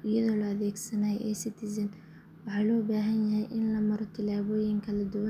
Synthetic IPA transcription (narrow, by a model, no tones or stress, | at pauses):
ɪjɐðɔːlɔɐðɛːɡsɐnaːʔɛːsɪt̪ʰisɐn | wɑħɑːlɔːbaːɦɐnjɐɦɛjʔɪnlɐmɐɾɔt̪ʰɪlaːβɔːjɪŋkʰɐlɐd̪ʊwɐ